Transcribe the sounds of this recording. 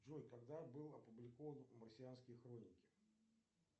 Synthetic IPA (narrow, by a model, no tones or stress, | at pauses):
ʐojkɐɡ̚d̪abɨlˠɐpʊblʲɪko̞vənmərsʲɪjanskʲɪjəxɾo̞nʲɪkʲɪ̥